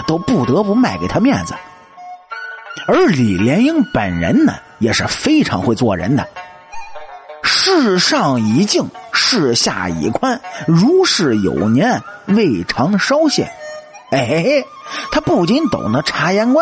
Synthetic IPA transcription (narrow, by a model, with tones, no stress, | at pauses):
t̪o˥ʊpu˥˩t̪ɤ˧˥pu˧˥ma˥˩ɪke˨˩ɪt̪ʰa˥mjɛ̰˥˩nd͡z̩˩ | ə˞˧˥li˨˩ljɛ˧˥ni˥ŋpə˨˩nɻə̰˧˥nnə̰˨ | jɛ˨˩ʂɻ̩˥˩fe˥ɪʈ͡ʂʰɑ̰˧˥ŋxwe˥˧ɪt͡swɔ̰˥˩ɻə̰˧˥nd̪ə̰˨ | ʂɻ̩˥˧ʂɑ˥˩ŋi˧˥t͡ɕi˥˧ŋʂɻ̩˥˧ɕja̰˥˩ḭ˨˩kʰwa˥nɻu˧˥ʂɻ̩˥˩jo̰˨˩ʊnjɛ˧˥nwe˥˩ɪʈ͡ʂʰɑ˧˥ŋʂɑ˥ʊɕjɛ̰˥˩n | e˥˩ɪ | t̪ʰa˥pu˥˩t͡ɕi˥nt̪o̰˨˩ŋnə˦ʈ͡ʂʰa˧˥jɛ˧˥nkwa˥